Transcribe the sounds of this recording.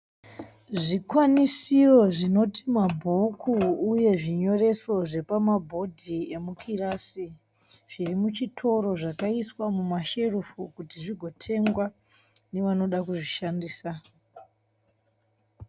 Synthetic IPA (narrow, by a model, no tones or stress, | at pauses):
ʐikwanisiro̞ʐino̞timabʱukʰuːje̞ʐiɲo̞re̞so̞ʐe̞pamabʱo̞dʱie̞mukʰiraːsi | ʐ̥irimut͡ʃitʰo̞ɾo̞ʐakaiswamumaʃe̞rufukutiʐiɡʱo̞tʰe̞ŋɡwa | ne̞ʋano̞ɗakuʐiʃandiːsa